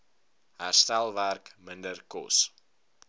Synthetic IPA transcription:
ɦæːrstælˠværkməndərkɔ̰s

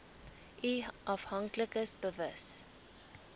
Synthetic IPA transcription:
ʔiʔɐfhɐŋkləkəsbəvəs

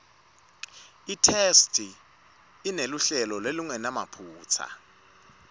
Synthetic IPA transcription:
itʰestʰʼi | ineluɬɛlɔlweluŋɛnama̰pʰuːt͡sʰa̰

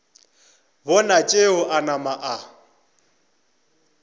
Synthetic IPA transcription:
bɔnat͡ʃʼeʊʔanamaʔa

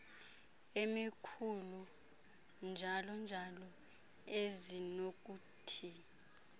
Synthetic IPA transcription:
emikʰulu | nd͡ʒʱalɔnd͡ʒʱalɔ | ezinok̬ʼuːtʰi

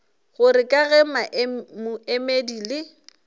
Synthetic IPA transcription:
ɣʊɾɪkʼaɣɛmaʔmʊemediːlɪ

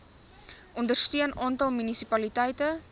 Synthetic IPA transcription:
ʔɔndərstyənʔɑːntɐlˠmynisipɐlitɛjtə

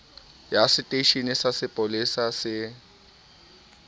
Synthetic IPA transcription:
jasɪtʼeʃinɪsasɪpʼolisasɪ

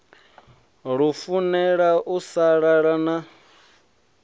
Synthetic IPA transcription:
ɺufunɛɺaʔusaɺaɺana

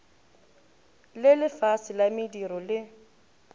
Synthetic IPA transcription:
lɪlɪfasɪlamɪdiɾɔlɪ

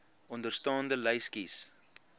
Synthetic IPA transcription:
ɔndərstɑːndələjskis

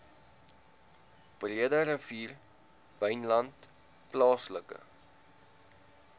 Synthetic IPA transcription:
b̥riədəɾəviːr | vəjnlɐnt | plɑːsləkə̰

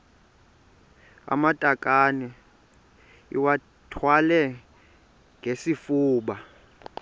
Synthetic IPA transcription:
a̰matʼakʼanɛ | ḭwa | tʰwalɛ | ŋɡʱesifuːɓa

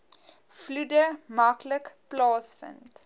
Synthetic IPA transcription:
fludəmakʰləkplɑːsfə̰̃nt

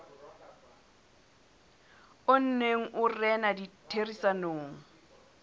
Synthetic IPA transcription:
ʊn̩neŋ̩ʔʊrɛnaditʰerisanoːŋ̩

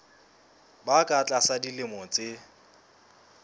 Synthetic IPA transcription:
bakʼat͡ɬʼasadilɪmɔt͡sʼɪ

